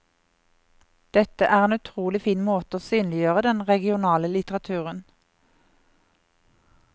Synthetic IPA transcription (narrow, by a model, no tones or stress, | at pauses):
d̪̥ɛt̪əʔæːʁeːnʉt̪ʰʁuːlɪfiːnmoːt̪əoːsyːnlɪjøːʁəd̪ɛnʁɛɡɪʊnɑːləlɪt̪əʁɑt̪ʰʉːʁən